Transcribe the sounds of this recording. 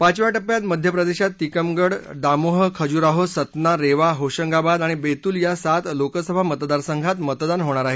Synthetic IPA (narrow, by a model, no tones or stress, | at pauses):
pat͡ɕʋaʈəpjat̪məd̪ʱjəpɾəd̪eɕat̪ːikəmɡəɽd̪amoɦəkʰəd͡ʑuːɾaɦosət̪naɾeʋaɦoɕəŋɡabad̪aɽ̃ibet̪uːljasat̪lokəsəbʱamət̪d̪aɾsəŋɡʱat̪mət̪d̪anɦoɽ̃aɾaɦe